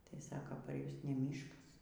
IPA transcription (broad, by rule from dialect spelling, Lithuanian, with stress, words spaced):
tɐɪ ˈsɑːkɐ pɐr ˈjʊs nʲɛ ˈmʲiːʃkɐs